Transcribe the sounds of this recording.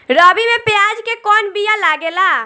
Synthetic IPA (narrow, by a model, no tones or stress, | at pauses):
ɾɔbimepjad͡ʒkekɔnbijalaɡela